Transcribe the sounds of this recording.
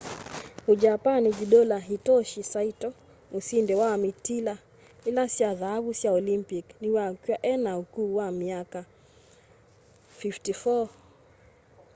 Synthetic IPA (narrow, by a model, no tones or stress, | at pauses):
hud͡ʒapanid͡ʒiɗɔlaɦitɔʃisaitɔ | usindɛwawamitila | ilasjaðaaβusjaɔlimpikniwakiwaʔɛnaukuːwamiaka | fiftifɔ